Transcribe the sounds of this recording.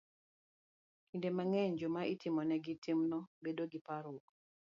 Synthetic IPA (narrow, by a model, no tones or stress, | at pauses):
indemaŋɛɲd͡ʒomaʔitɪmɔnɛɡitimnɔbedoɡɪpaɾʊk